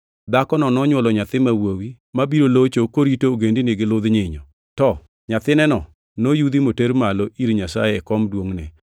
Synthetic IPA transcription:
d̪akɔnɔnɔɲwɔlɔɲat̪ɪmawowi | mabiɾolot͡ʃokoɾitoːɡendinɪɡɪlʊd̪ɲɪɲɔ | tɔ | ɲat̪ɪnɛnɔ | nojud̪imoteɾmaloʔiɾɲasa̰jɛːkɔmdwoŋnɛ

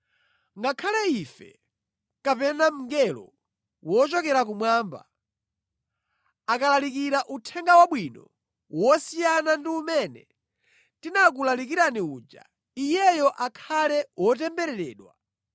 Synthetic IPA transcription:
ŋɡakʰalɛifɛ̰ | kapɛnam̩ŋɡɛlɔ̰ | wɔt͡ʃɔkɛɾak̬umwaːmba̰ | akalalikiɾaʔutʰɛŋɡawaɓwinɔ | wɔsijanandiumɛnɛ | tinak̬ulalik̬iɾaniuːd͡ʒa̰ | ijɛjɔʔakʰalɛwɔt̬ɛmbɛɾɛɾɛːɗwa

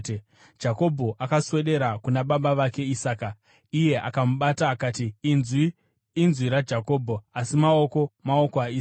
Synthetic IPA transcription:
d͡ʒako̞bʱo̞ʔakaswe̞ɗe̞ɾakunaɓaɓaʋake̞isaːka | ije̞ʔa̰kamuɓataːkaːtiiː | nzwiɾad͡ʒako̞ːbʱo̞asimao̞ko̞mao̞koai

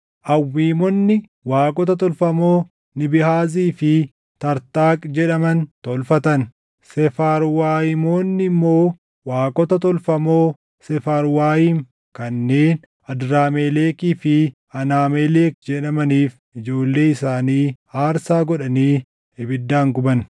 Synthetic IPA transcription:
ʔɐwːiːmɔnːɪ | waːkʼɔt̪ɐt̪ɔlfɐmo̞ː | nɪbɪhaːziːfɪ | t̪ɐɾt̪aːkʼd͡ʒɛᶑɐmɐnt̪ɔlfɐt̪ɐn | sɛfaːɾwaːjɪmo̞ːnːɪmːo̞ː | waːkʼɔt̪ɐt̪ɔlfɐmo̞ː | sɛfaːɾwaːjiːŋ | kɐnːeːn | ɐd̪ɾaːmeːleːkiːfɪ | ɐnaːmeːleːk̚d͡ʒɛᶑɐmɐniːf | ɪd͡ʒo̞ːlːe̞ːɪsaːniː | aːɾsaːɡɔᶑɐniː | ɛbɪd̪ːaːŋɡʊbɐn

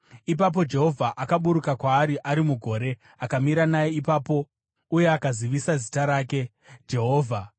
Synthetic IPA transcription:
ipap̬o̞d͡ʒe̞ɦo̞vʱaʔakaɓuɾukakwaːɾiʔaɾimuɡʱo̞ːɾe̞ | akamiɾanajeipaːpo̞ | uje̞akaziʋisazitaɾaːke̞ | d͡ʒe̞ɦo̞ːvʱa

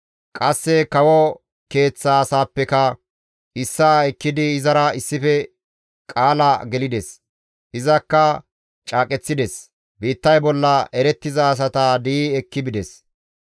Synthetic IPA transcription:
kʼɐsːɛkɐwɔ | ke̞ːt͡sːaːsaːpːɛkɐ | ʔɪsːaɛkːɪd̪ɪːzɐɾɐɪsːɪfɛ | kʼaːlɐɡɛlɪd̪ɛs | ʔɪzɐkːɐ | t͡ʃʼaːkʼɛt͡sːɪd̪ɛs | biːt̪ːɐjbɔlːɐʔɛɾɛt̪ːɪzɐːs̬ɐt̪ad̪iːɛkːɪbɪd̪ɛs

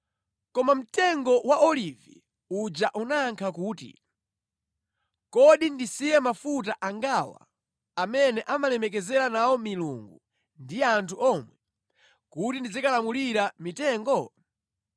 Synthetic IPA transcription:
kɔmam̩tɛŋɡɔwaʔɔlivḭ | ud͡ʒaʔunaŋkʰakuːtḭ | kɔɗindisijɛmafut̬aʔaŋɡawa̰ | amɛnɛʔamalɛmɛk̬ɛzɛɾanawɔmilṵŋɡu | ndijɛantʰuʔɔmwɛ | kutindid͡zikalamuliɾamitɛːŋɡɔ

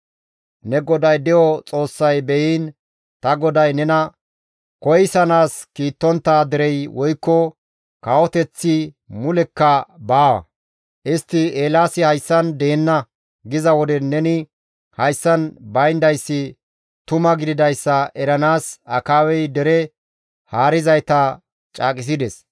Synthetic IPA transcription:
nɛɡɔd̪ɐjd̪ɛjɔt͡sʼo̞ːsːɐjbɛjiːn | t̪ɐɡɔd̪ɐjnɛnɐ | kɔjsɐnaːskiːt̪ːɔnt̪ːaːd̪ɛɾɛjwʔɔjkːɔ | kawɔt̪ɛt͡sːi | mʊlɛkːɐbaːwɐ̰ | ʔɪst̪ːɪeːlaːsɪhɐjsːɐnd̪e̞ːnːɐ | ɡɪzɐwɔd̪ɛnːɛnɪ | hɐjsːɐnbɐjnd̪ɐjsːɪ | t̪ʊmɐɡɪd̪ɪd̪ɐjsːɐʔɛɾɐnaːsɐkaːwɛjd̪ɛɾɛ | haːɾɪzɐjt̪ɐ | t͡ʃʼa̰ːkʼɪs̬ɪd̪ɛs

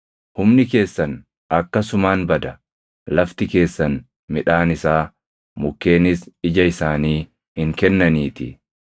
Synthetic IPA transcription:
hʊmnɪke̞ːsːɐn | ɐkːɐsʊmaːnbɐd̪ɐ | lɐft̪ɪke̞ːsːɐn | mɪᶑaːnɪsaː | mʊkːe̞ːnɪsɪd͡ʒɐɪsaːniː | hɪŋkɛnːɐniːt̪ɪ

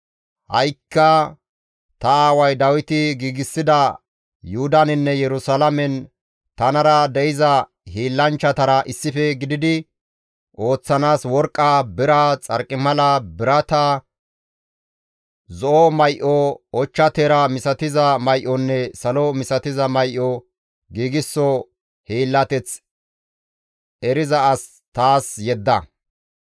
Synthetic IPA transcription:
hɐ̰jkːɐ | t̪ɐaːwɐjd̪ɐwɪt̪ɪɡiːɡɪsːɪd̪ɐ | jʊhʊd̪ɐnɪnːɛjɛɾʊsalɐmɛn | t̪ɐnɐɾɐd̪ɛʔɪzɐ | hiːlːɐnt͡ʃːɐt̪ɐɾɐʔɪsːɪfɛɡɪd̪ɪd̪ɪ | ʔo̞ːt͡sːɐnaːswɔɾkʼːɐbɪɾɐt͡sʼɐɾkʼːɪmɐlɐbɪɾɐt̪ɐ | zɔʔɔmɐjʔɔɔt͡ʃːɐt̪eːɾɐmɪsɐt̪ɪzɐmɐjʔɔnːɛsɐlɔmɪsɐt̪ɪzɐmɐjʔɔ | ɡiːɡɪsːɔ | hiːlːɐt̪ɛt͡s | ɛɾɪzɐːs | t̪aːsjɛd̪ːɐ

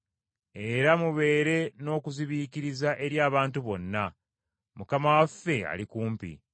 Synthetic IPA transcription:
e̞ɾamuβe̞ːɾe̞no̞ːkuziβiːkiɾizaʔe̞ɾjaːβaːntuβo̞nːa | mukamawafːe̞a̰likuːmpḭ

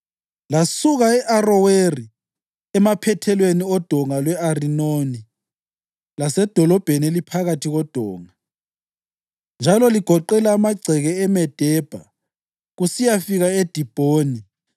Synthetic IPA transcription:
lasuɣaɛʔarɔweri | ɛmapʰɛtʰɛlweniɔd̥ʱɔŋalwɛarinoni | lasɛd̥ʱɔlɔb̥ʱenielipʰaɣatʰiɣɔd̥ʱɔːŋa | nd͡ʒʱalɔliɡ̥ʱɔǃɛlaːmaɡ͡ǀʱɛɣɛɛmɛd̥ʱɛb̥ʱa̰ | ɣusijafiɣaed̥ʱib̥ʱoːni

